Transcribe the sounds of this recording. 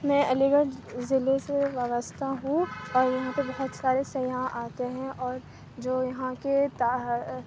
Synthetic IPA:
mɛ̃ɐliːɡəɾzɪleseʋjɐʋəst̪ʰaɦũɔːɾjɐɦãpebɐɦɔt̪saːɾesɐjãʔaːt̪eɦɛ̃ʔɔːɾ | d͡ʒoːjɐɦãket̪a

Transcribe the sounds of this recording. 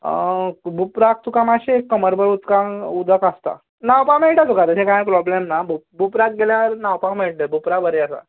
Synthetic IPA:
bupɾak̚t̪ukamaɕeekːəməɾbəɾut̪kãŋud̪ʱəkast̪a̰ | nawpameɭʈat̪ukat̪əsẽkãpɾɔblemnabubupɾak̚ɡeljaɾnawpakmeɭʈ̪əbʱupɾabəɾeəsa̰

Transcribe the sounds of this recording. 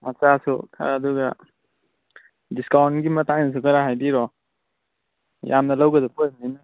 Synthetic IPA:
mat͡ʃasukʰa̰ːduɡa | diskawnɡimɐtaŋnɐs̬ukaɾaɦajdiɾɔ | jamnɐlawɡɐdɔpʰojmnina

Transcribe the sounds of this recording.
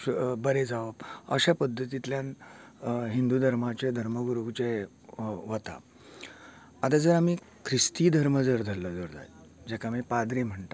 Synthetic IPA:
bəɾed͡zaʋəpəɕapəd̪ʱːət̪it̪ljan | ɦind̪ud̪ʱəɾmat͡ɕed̪ʱəɾməɡuɾuɡt͡ɕe | ʋət̪a̰ | t̪ad͡zəɾamiː | kʰɾist̪iːd̪ʱəɾməd͡zəɾd̪ʱəlːəd͡zəɾd̪ʱa̰jd͡ʑɛkamiːpad̪ɾiːm̤əɳt̪a

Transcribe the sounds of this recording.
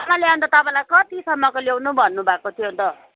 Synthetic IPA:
ʌmãljaõnt̪ʌt̪ʌpãj̃lajkʌt̪isʌmːʌkolewnubʱʌnːubʱakot̪ʰijont̪ʌ

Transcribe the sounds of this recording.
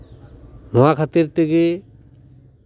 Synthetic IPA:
nɔwakʰat̪iɾt̪ɛɡe

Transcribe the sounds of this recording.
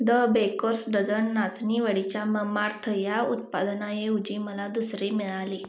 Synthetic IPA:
d̪əbekoɾsɖəd͡zəɳːat͡sniʋəɽit͡ɕjaməmaɾt̪ʰəjaut̪̚pad̪najeud͡ʑiməlad̪usɾemiɭali

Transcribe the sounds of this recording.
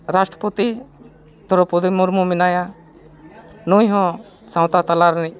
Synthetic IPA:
ɾasʈɾəput̪i | d̪ʱɔɾɔpud̪imuɾmuminaja | nujɦɔ̃ | saw̃t̪at̪alaɾni

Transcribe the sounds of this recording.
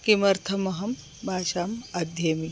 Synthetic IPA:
kimɐɾt̪ʰɐmɐɦɐm | bʱaːʃaːmɐd̪ʱjɐmi

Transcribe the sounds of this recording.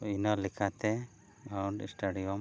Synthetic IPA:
inɔlikʰat̪ɛ | awɳɖḭsʈaɖijɔm

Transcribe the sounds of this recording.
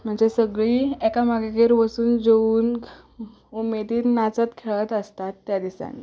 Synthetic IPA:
m̤əɳd͡zesəɡɭiːekamaɡaɡeɾʋəsuːnd͡zeuːn | umed̪iːt̪nat͡sat̪kʰeɭət̪əst̪at̪ːjad̪isa̰nḭ

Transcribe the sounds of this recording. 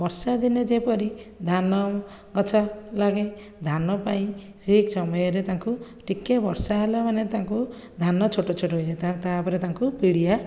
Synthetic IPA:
bɔɾsad̪ined͡ʒepɔɾid̪ʱanɔ | ɡɔt͡ʃʰalaɡe | d̪ʱanɔpaĩ | siksɔmɔjɔɾet̪aŋku | ʈikːebɔɾsaɦelamanet̪aŋku | d̪ʱanɔt͡ʃʰoʈɔt͡ʃʰoʈoɦojt͡ʃʰet̪at̪apɔɾet̪aŋkupiɽija

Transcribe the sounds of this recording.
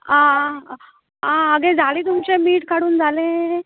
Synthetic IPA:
ã | ãəɡed͡zʱalẽt̪umt͡ɕemiːʈkaɽuːnd͡zʱalẽ

